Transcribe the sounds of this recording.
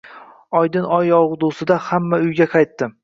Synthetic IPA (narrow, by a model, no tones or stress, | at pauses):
ɒjd̪ɪnɒjɒwʁd̪ʊsɪd̪ahamːaʊjɡʲaqʰɑjt̪ːɪ